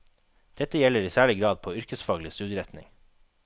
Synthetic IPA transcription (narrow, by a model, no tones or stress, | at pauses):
d̪̥ɛt̪əjɛləɾiːsæːɭɪɡɾɑːd̪̚pʰoːʏɾkəsfɑːɡlɪst̪ʉːd̪əɾɛt̪nɪ̰ŋ